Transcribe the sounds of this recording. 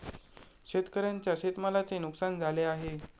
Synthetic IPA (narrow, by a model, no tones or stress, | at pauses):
ɕet̪kəɾjaɲt͡ɕjaɕet̪malat͡senuksand͡zʱaleaɦe